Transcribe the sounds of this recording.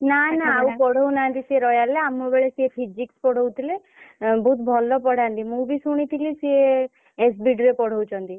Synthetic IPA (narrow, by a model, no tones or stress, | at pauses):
nanaawpɔɽ̤ɔwnant̪isieɾɔjaleamːɔbeɭesiepʰid͡ʒikspɔɽ̤ɔwt̪ʰile | bʱut̪bʱɔlːɔpɔɽ̤ant̪imũbisuɽ̃it̪ʰilisie | es̬biɖɾepɔɽ̤ɔwt͡ʃʰɔnt̪i